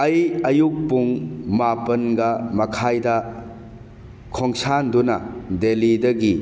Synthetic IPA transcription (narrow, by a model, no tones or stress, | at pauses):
ɐjɐjuk̚puŋmapɐnɡɐmɐkʰajdɐ | kʰoŋsandunɐ̰delidɐɡi